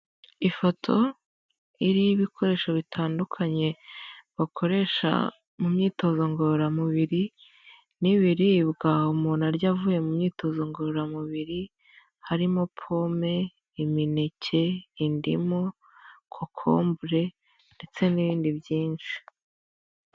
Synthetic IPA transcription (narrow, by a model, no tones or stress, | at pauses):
ifo̞tʰo̞ | iɾijiβikʰo̞ɾe̞ːʃoβitʰaːndukʰaɲe̞βakʰo̞ɾe̞ʃa̰ | mumɲiːto̞zo̞ŋɡoɾamuβiɾi | niβiɾiβɡahumuːnaɾɟaːvuje̞mumɲiːto̞zoŋɡoɾamuβiɾi | haɾimo̞pʰo̞me̞ | iminecʰe̞indimo | kʰokʰo̞̰ːmbuɾe̞ | nde̞t͡se̞niβiːndibjiːnʃi̥